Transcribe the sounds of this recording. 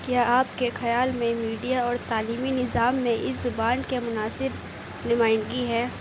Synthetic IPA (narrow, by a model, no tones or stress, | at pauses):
kjaːʔaːpkexɐjaːlmẽmiːɖijaɔːɾt̪aːliːminɪzaːmːẽʔɪszʊbaːnkemʊnaːsɪb | nʊmaːɪnɡiɦɛː